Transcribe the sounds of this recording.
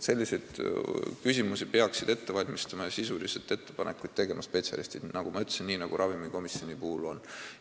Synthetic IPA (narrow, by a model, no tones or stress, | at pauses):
se̞lʲːise̞d̪̥kysʲimusipe̞ɑksid̪̥e̞t̪ːe̞vɑlʲmist̪ɑmɑɑsisulise̞t̪ːe̞t̪ːepɑnekːˑud̪̥̚t̪e̞ɡ̥e̞mɑspe̞tsʲɑ̰lḭst̪i̥nɑɡ̥umɑyt̪ːˑesinːiːnɑɡ̥uɾʔɑvimiko̞miso̞nipuːulo̞̰n